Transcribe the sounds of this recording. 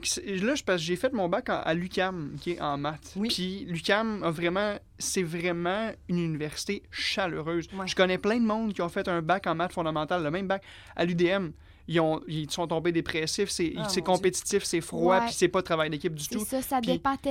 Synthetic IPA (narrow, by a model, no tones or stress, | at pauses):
kslʌʒpasʒefɛt̪̚mɔ̃bakɑ̰̃ʔa̰lykʲamkʲʰeʔɑ̰̃mat̪pʰilykʲamvʁɛmɑ̃ | sɛvʁɛmɑ̃ynynivɛʁsi̥t̪eʃaløʁøːzwʒəkɔnɛplɛ̃d̪əmɔ̃d̪kʲjɔ̃fɛt̪œ̃bakɑ̃mat͡ʃfɔ̃d̪amɑ̃t̪alːəmɛ̃mbak | a̰lyd̪eɛm | ijɔ̃sɔ̃t̪ɔ̃bed̪epχɛsɪfsɛsɛkɔ̃pet̪i̥t̪ɪfsɛfχwapi̥sɛpɔt̪ʁavajd̪ekʲɪp̚d̪zyt̪usppɑ̃